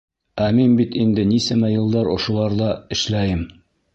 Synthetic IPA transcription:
æminbit̪ind̪ɘnisæmæjɤ̆lˠd̪ɑɾŏ̰ʃŏlˠɑɾd̪ɑɘ̆ʃlæjɘm

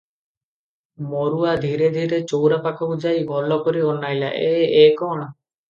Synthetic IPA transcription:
moɾuad̪ʱiɾed̪ʱiɾet͡ʃɔwɾapakʰɔud͡ʒajɡʱɔlɔkɔɾiɔnajla̰ʔeekɔɽ̃ɔ

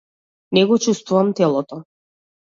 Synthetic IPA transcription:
nɛɡɔt͡ʃust̪vuvamt̪ɛlˠɔt̪ɔ

